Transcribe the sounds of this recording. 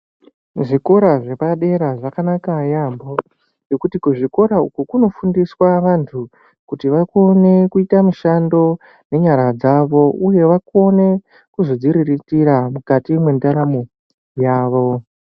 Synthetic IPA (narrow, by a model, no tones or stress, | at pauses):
ʐiko̞ɾaʐe̞paɗe̞ɾaʐakanakajambo | jo̞kutikuʐiko̞ɾaukukuno̞fundiswaʋantʰu | kutiʋako̞ne̞kuitamuʃando̞ | ne̞ɲaɾad͡zaʋo̞uje̞ʋako̞ne̞ | kuzo̞d͡ziɾiritiɾamukatimwe̞ndaɾamo | jaːʋo̞